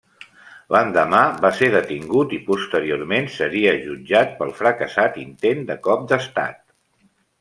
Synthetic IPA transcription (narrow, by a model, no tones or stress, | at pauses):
lʔənd̪əmaβaseɾðət̪iŋɡut̪ipust̪əɾioɾmensəɾiəʒud͡ʒat̪̚pəlˠfɾəkəsat̪int̪end̪əkɔp̚d̪əst̪a̰t̪̚